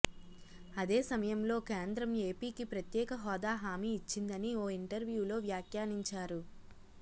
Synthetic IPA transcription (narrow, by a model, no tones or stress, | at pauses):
ɐd̪e̞ːsɐmɐjɐmlo̞ːkeːnd̪ɾɐme̞ːpiːkipɾɐt̪jɛːkɐɦɔːd̪aːɦaːmiːt͡ʃːind̪ɐnioːiɳʈɐɾʋjuːlo̞ːʋjaːkjaːniɲt͡ʃaːɾu